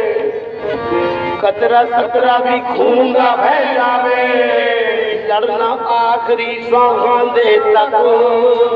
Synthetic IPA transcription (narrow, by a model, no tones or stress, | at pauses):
kət̪ɾaːsət̪ɾaːd̪iːkʰuːnd̪aːpɛːd͡ʒaːʋeː | ləɽnaːʔaːkɪɾiːsãːɡãːd̪eːt̪əkː